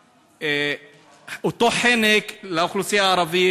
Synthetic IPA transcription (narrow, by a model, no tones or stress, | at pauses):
e | ot̪oħeneklaxlusijaʕɑɾˤɑvi